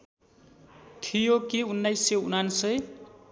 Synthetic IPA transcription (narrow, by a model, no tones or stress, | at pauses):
t̪ʰijokiunːʌjsʌunansʌj